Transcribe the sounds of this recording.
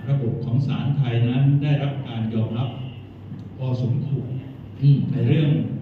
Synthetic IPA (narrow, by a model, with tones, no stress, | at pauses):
ɾa˧bo˨˩p̚kʰɔː˩˦ŋsaː˩˦nt̪ʰa˧jna˦˥ndaː˥˩jɾa˦˥p̚kaː˧njɔː˧mɾa˦˥p̚ | pʰɔː˧su˩˦nkʰu˨˩kː | na˧jɾɯ˥˩əŋ